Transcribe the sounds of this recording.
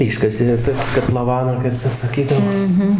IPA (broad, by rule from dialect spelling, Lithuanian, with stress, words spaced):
ˈɪʃkɐsʲeː jɛʊ ˈtɐ kɐtlˠɐˈʋɑːnɑː kɐɪp ˈtɐs sɐˈkʲiːdɐʋoː